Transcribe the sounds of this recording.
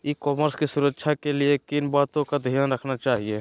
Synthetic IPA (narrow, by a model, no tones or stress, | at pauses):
ikɔːməɾskisuɾəkːʃʰakeliekinbaːt̪õkad̪ʱijənɾəkʰnat͡ʃaːɦie